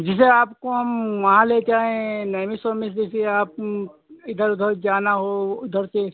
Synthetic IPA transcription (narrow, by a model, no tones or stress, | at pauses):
d͡ʒɪs̬eaːpkoɦɐmʋɐɦãleːt͡ʃaːẽnɐmisomɪs̬d͡ʒɪseaːp̚ | ɪd̪əɾʊd̪ʱəɾd͡ʒaːnaɦoʊd̪ʱəɾt̪e